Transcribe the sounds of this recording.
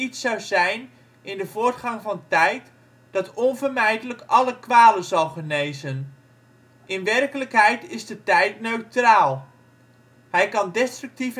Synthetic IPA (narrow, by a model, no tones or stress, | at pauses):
itsɑwzɛjn | ʔɪndəvʊːɹtχɑŋvɑntɛjt | d̥ɑtɔnvəɹmɛjdələkɑləkʋaːlənzɑlˠχənejzən | ʔɪnʋɛrkələkɦɛjtɪzdətɛjtnøɥtraːlˠ | ɦɛjkɑndɛstrɵk̚tif